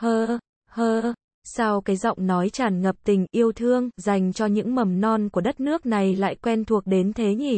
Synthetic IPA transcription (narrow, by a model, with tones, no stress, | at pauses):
həː˧ | həː˧ | sa˧wkaː˨˦jzɔ̰˧˨wŋ͡mnɔ˨˦jt͡ɕaː˧˩nŋə˨˩p̚t̪ï˨˩ŋ̟ʔi˧əwt̪ʰɨ˧əŋza˨˩jŋ̟t͡ɕɔ˧ɲɨ̰˧˥ŋmə˨˩mnɔ˧nku˧˩ə˦ɗə˦˥t̚nɨ˦˥ək̚na˨˩jla̰ː˧˨jkwɛ˧nt̪ʰu˨˩ək̚ɗe˨˦nt̪ʰe˨˦ɲi˧˩